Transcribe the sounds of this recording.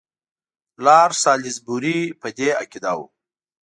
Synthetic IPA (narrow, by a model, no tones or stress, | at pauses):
lɑːɾsɑːlizbuɾipəd̪ea̰kid̪ɑwṵ